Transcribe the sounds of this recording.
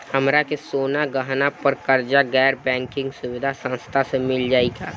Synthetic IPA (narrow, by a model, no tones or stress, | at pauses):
həmɾakesoːnaɡəɦnapəɾkəɾd͡ʒaɡɛːɾbɛ̃ːŋkɪ̃ŋɡsʊwɪd̪ʱasə̃nst̪ʰasemɪld͡ʒaːiɡa̰ː